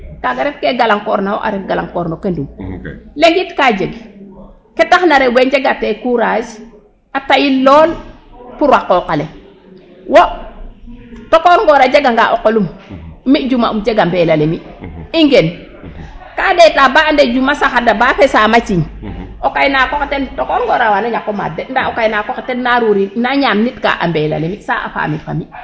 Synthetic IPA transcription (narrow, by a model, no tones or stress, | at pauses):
kaɡaɾefkeɡalaŋkoɾnawo̰ʔa̰ɾefɡalaŋkoɾnokendumleŋɡitkad͡ʒeɡ | ketaxnaɾeweɲd͡ʒeɡatekuɾad͡ʒ | atajilloːl | puɾwakokale | wo | tokoɾŋɡoɾad͡ʒeɡaŋɡaʔokolummid͡ʒuma̰umd͡ʒeɡambelalemiiŋɡen | kadetabaanded͡ʒumasaxadabafesamat͡ʃiɲokajnaːkoketentokoɾŋɡɔːɾawanaɲakːoma̰dendaokajnaːkoketenːaɾuɾinaɲaːmnitka̰ʔa̰mbela̰lemisa̰ʔa̰fa̰mifa̰mi